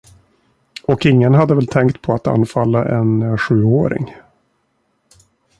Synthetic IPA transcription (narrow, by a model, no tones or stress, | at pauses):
ɔkɪŋːənɦad̪ːəvɛlt̪ʰɛŋkt̪̚pʰɔat̪a̰nːfalːaʔɛnɧʉ̟ːoːɾɪ̰ŋ